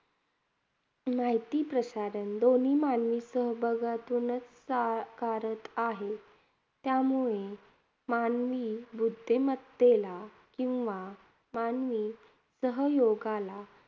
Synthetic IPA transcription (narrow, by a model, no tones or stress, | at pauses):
maɦit̪iːpɾəɕaɾənd̪oniːmanʋiːsəɦbʱəɡat̪unət͡ssakaɾət̪aɦe | t̪jamuɭe | manʋiːbud̪ʱːemət̪d̪ela | kĩw̃ʋa | manʋiː | səɦəjoɡala